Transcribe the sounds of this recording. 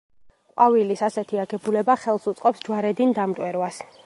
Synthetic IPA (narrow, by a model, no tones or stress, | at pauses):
qʼwavilisasɛt̪ʰiaɡɛbulɛbaχɛlˠsut̪sʼqʼɔpsd͡ʒwaɾɛd̪ind̪amt̪ʼwɛɾwas